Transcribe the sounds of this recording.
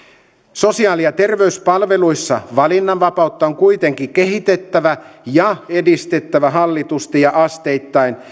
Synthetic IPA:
so̞siɑːlijɑt̪e̞rʋe̞yspɑlʋe̞lujsːɑ̰ʋɑlinːɑʋʋɑpɑut̪ːɑoŋkujt̪eŋkik̟e̞ɦit̪e̞t̪ːæʋæjɑe̞dist̪e̞t̪ːæʋæɦɑlːit̪ust̪ijɑʔɑst̪e̞jt̪ːɑin

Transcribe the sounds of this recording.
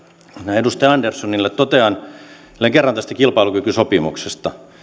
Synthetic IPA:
næːedust̪ɑjɑɑndersːonilːet̪t̪ot̪eɑn | lːeŋkerːɑnt̪æst̪ækilpɑilukykysopimuksest̪ɑ

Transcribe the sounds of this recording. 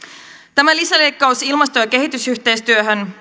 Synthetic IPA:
t̪æmælisælejkːɑusilmɑst̪ojɑk̟e̞ɦit̪ysyçt̪e̞jst̪yøɦøn

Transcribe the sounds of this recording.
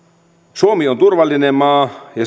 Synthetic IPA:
suomiont̪urʋɑlːinemːɑːjɑ

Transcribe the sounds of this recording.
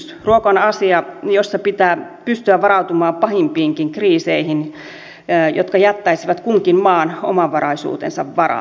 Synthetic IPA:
s | ruokɑnɑsiɑjosːɑpit̪æːpyst̪yæʋʋɑɾɑut̪umɑːmpɑhimpiːŋkiŋkriːseihin | jo̰t̪kɑjɑt̪ːɑisiʋɑt̪kuŋkimmɑːno̰mɑʋʋɑrɑisṵːt̪ḛnsɑʋʋɑrɑ̰

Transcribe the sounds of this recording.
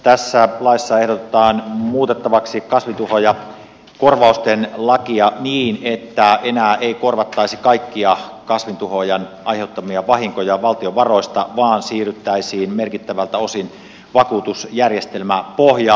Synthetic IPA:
t̪æsːælɑisːɑehdot̪et̪ɑːnmuːt̪et̪ːɑʋɑksikɑsʋint̪uhojɑ | korʋɑˑust̪enlɑkiɑniːnet̪ːæenæːeikorʋɑt̪ːɑisikɑikːiɑkɑsʋint̪uhojɑnʔɑjheut̪ːɑmiɑʋɑɦiŋkojɑʋɑlt̪ioʋɑro̞ist̪ɑʋɑːnsiːryt̪ːæisiːnmerkit̪ːæʋælt̪æo̞sin | ʋɑkuːt̪usjærjest̪elmæpohjɑ

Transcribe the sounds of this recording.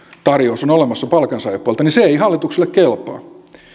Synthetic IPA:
t̪ɑrjousonolemɑsːɑpɑlkɑnsɑjɑpːˑuɑlt̪ɑninseeiɦɑlːit̪ukselːekkelpˑɑ̰ː

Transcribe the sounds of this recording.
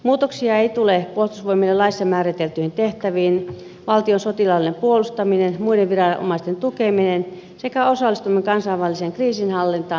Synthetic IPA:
muːt̪oksiɑeit̪ulepuolst̪usʋoimilːelɑisssːɑmæːrit̪elt̪yhint̪eht̪æʋiːn | ʋɑlt̪ionsot̪ilɑlinempuolust̪ɑminenmuideʋʋirɑo̰mɑˑist̪ent̪ukeminen | sekæosɑlːˑist̪umeŋkɑnsɑiʋʋælːˑiseŋkriːsinhɑlːint̪ɑː

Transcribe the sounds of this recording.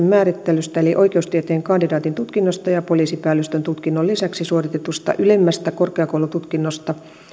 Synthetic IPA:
mmæːɾit̪ːelyst̪æeliʔoikeust̪iet̪eːŋkɑndidɑːt̪int̪ut̪kinːost̪ɑjɑpoliːsipæːlːøst̪ønt̪ut̪kinːolisæksisuorit̪et̪ust̪ɑ̰ʔylemːæst̪ækorkeɑkoulut̪ut̪kinːost̪ɑ

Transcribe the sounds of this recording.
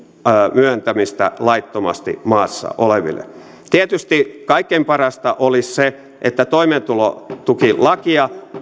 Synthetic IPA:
myønt̪æmist̪æ̰lɑit̪ːomɑ̰st̪ḭmɑːsːɑ̰ʔoleʋḭlːḛ | t̪iet̪yst̪ikɑikːempɑrɑst̪ɑʔolisse | ʔet̪ːæt̪oiment̪ulo̰t̪ukilɑkiɑ

